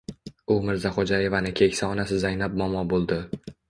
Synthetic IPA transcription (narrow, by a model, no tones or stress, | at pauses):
ʊmɪɾzaχod͡ʒaje̞vanɪkʲʰe̞kʲsaɒnasɪzajnap̚mɒmɒbolˠd̪ɪ